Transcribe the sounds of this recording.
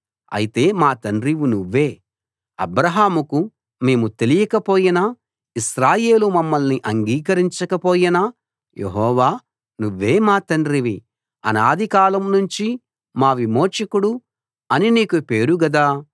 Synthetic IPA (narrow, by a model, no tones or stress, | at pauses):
ɐ̰jit̪e̞ːmaːt̪ɐnɾiʋunuʋːe̞ː | ɐ̰bɾɐɦaːmuku | meːmut̪e̞lijɐkɐpoːjɐnɐ | iʃɾaːje̞ːlumɐmːɐlniʔɐŋɡiːkɐɾiɲt͡ʃɐkɐpo̞ːjɐnɐ | jʔḛɦɔːʋaː | nuʋːe̞ːmaːt̪ɐnɖɾiʋi | ɐ̰naːd̪ʱikaːlɐmnuɲt͡ʃi | maːʋimoːt͡ʃɐkuɽu | ɐniniːkupe̞ːɾuɡɐd̪aː